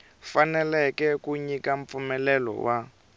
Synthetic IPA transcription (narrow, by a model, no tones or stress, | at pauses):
fanɛlɛkɛkuɲikaɱp̪fumɛlɛlɔ̰wʔa